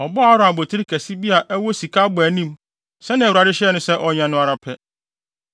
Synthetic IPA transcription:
ɔ˨bɔ˦a˨˦ɾʊ̃˦a˨bo˨tʰi˦ɾi˦kʰæ˨si˦bi˦a˨ʔæ˦wɔ˦si˨kʰa˦bʊ˨æ˨nĩ˦m | sɛ˦nɪ̃˨wu˨ɾa˨dɪ˦ɕɛ˦ɛ˦nʊ̃˦sɛ˦ʔɔ˨ɲã˨nʊ̃˦a˨ɾa˨pʰɛ˦

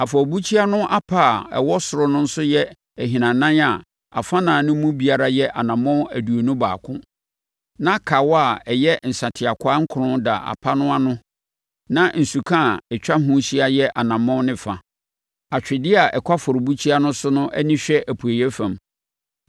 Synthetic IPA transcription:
a˨fɔ˨bu˦t͡ɕʰi˦a˦nʊ̃˦ʔa˦pʰa˦˨ɛ̰˨wɔ˦sʊ˨ɾʊ˦nʊ̃˦n̩˦sʊ˦jɛ˦ | ɛ˨ɦi˨nã˨nã˦na˨ | a̰˨fã˦nãː˨nʊ̃˦mũ˦bi˨a˨ɾa˦jɛ˦ʔa˨nã˨mɔ̃˦æ˨du˨o˨nũ˦ba̰ː˨kʰʊ̰̃˦ | nã˦kʰa˨wa˨ɛ˨jɛ˦n̩˨sa˨tʰɪ˨a˨kʰʷʊ˦a˦ŋ̩˦kʰʊ˨ɾʊ̃˦da̰˨ʔa̰˨pʰa˦nʊ̃˦a˦nʊ̃˦ | nã˦n̩˨su˨kʰã˦˨ɛ˨t͡ɕᶣa˦ɦʊ̃˦ɕi˦a˦jɛ˦ʔa˨nã˨mɔ̃˦nɪ̃˨fã˨ | a˨t͡ɕᶣɪ˨dɪ˦a˨ʔɛ˨kʰʷa˦fʊ˨ɾʊ˨bu˦t͡ɕʰi˦a˦nʊ̃˦sʊ˦nʊ̃˦ʔɛ̰˦nĩ˦ɕᶣɛ˦ʔæ˨pʰu˨e˨jɛ˦fã˨m

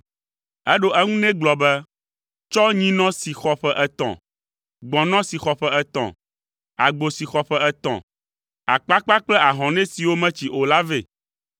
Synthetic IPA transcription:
ɛ˦ɖo˦ʔɛ˦ŋũ˦nɛ̃˦ɡ͡blɔ˨bɛ˦ | t͡ʃɔ˦ɲĩ˦nɔ̃˦si˨xɔ˨ɸɛ˦ʔɛ˦t̪ɔ̰̃˨ | ɡ͡bɔ̃˨nɔ̃˦si˨xɔ˨ɸɛ˦ɛ˦t̪ɔ̰̃˨ | a˨ɡ͡bo˨si˨xɔ˨ɸɛ˦ɛ˦t̪ɔ̰̃˨ | a˨k͡pa˦k͡pa˦k͡plɛ˦a˨ɦɔ̃˨nɛ̃˦si˨wo˦mɛ̃˦t͡ɕi˨ʔo˨la˦ve˨

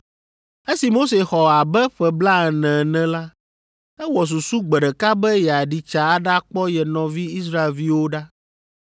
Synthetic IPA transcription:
e˦si˨mo˦se˨xɔ˨a˨bɛ˦ɸɛ˨bla˦ɛ˨nɛ̃˨nɛ̃˦la˦ | ɛ˦wɔ˨s̬u˨su˦ɡ͡bɛ˨ɖɛ˨ka˦bɛ˦jɛ˨a˨ɖi˨t͡ʃa˨a˦ɖa˦k͡pɔ˦jɛ˨nɔ̃˨vi˦i˦s̬ɾa˦e˨lvi˦wo˦ɖa˦

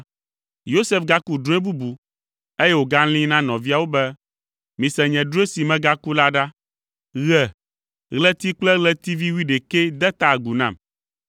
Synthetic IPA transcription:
jo˦se˨fɡa˦ku˦ɖũ˦ɛ˦bu˦bu˨ | e˦jɛ˦wo˨ɡa˦lĩ˦nã˦nɔ̃˨vi˦a˨wo˦bɛ˦ | mĩ˨sɛ̃˨ɲɛ̃˨ɖu˦e˦si˨mɛ̃˦ɡa˦ku˦la˦ɖa˦ | ɣɛ˨ | ɣlɛ˦t̪i˦k͡plɛ˦ɣlɛ˦t̪i˦vi˦wi˦ɖe˨kɛ˦d̪ɛ˦t̪a˦˨ɡu˨nã̰˦˨m

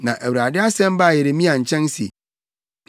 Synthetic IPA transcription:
nã˨ʔæ˨wu˨ɾa˨dɪ˦a˦sɛ̃˦m˦ba˦˨je˨ɾe˨mĩ˦a˨ɲ̩˨t͡ɕʰɛ̃˦n˦sḭ˨

